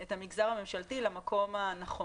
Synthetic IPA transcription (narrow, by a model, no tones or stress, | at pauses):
et̪hamiɡzaʁhamemʃalt̪ilamakʰo̞manaχo